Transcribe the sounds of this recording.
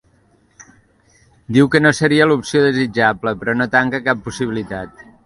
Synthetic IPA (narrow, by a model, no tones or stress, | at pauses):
d̪iwkənosəɾiəlupsioðəzid͡ʒabləpɾɔnot̪aŋkəkapːusiβilit̪at̪̚